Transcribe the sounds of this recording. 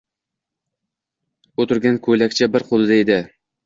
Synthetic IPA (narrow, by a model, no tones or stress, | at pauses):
ot̪ʰɪɾɡʲankʰɵjlakʲt͡ʃʰabɪɾqʰolˠɪd̪aed̪ɪ